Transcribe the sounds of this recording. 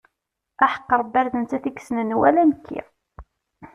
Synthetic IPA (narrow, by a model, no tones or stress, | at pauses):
ʔæħə̥qːəɾˤbːæɾðənt͡s̪ːæθiksnənwæ̰lænəkʰːḭ